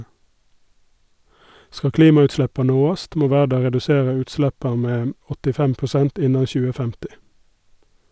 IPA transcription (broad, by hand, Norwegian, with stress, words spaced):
ˈskɑ ˈkliːmɑʉtˌʃɭɛpɑ ˈnoːɑst ˈmoː ˈʋæːɖɑ ʁɛdʉˈseːʁə ˈʉːtˌslɛpɑ ˈmeː m ɔtɪˈfɛm pʊˈsɛnt ˈɪnɑ ˈçʉːə ˈfɛmtɪ